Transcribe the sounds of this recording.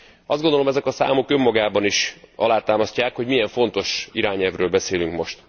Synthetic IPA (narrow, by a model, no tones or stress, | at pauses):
ɒ̰zd̪ɡond̪olo̞mɛzɛkɒsa̰ːmo̞kø̞mːɒɡaːbɒniʃʔɒ̰laːt̪aːmɒscaːkho̞ɟmijɛɱfo̞nt̪o̞ʃiɾaːɲɛlvrøːlbɛseːlyŋkmo̞ʃt̪